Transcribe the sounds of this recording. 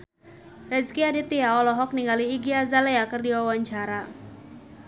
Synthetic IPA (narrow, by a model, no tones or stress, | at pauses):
rɛzkiadit̪iaɔlɔɦɔk̚niŋɡaliːɡiazalɛakɨrdiwawaɲt͡ʃaɾa